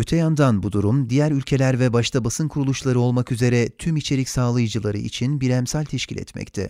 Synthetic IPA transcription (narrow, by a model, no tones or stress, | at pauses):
ø̞t̪ʰɛjand̪anbud̪uɾumd̪ijæɾylʲcʰe̞lʲæɾvɛbaʃt̪ʰabasɯnkʰuɾulˠuʃlˠaɾɯo̞lˠmakyze̞ɾɛt̪ʰymit͡ʃʰe̞ɾicʲsaːlˠajɯd͡ʒɯlˠaɾɯ̰ḭt͡ʃʰinbiɾɛmsælʲt̪ʰɛʃcʰilʲɛ̰t̪mɛ̰ct̪ʰɛ̰